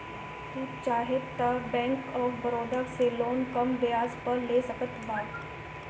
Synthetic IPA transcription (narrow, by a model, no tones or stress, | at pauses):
tuːt͡ʃaːɦet̪abɛ̃ːŋkɔːɾbəɾoːd̪akseloːnkɐmʋɪjaːzpəɾleːsɐkət̪baːt̪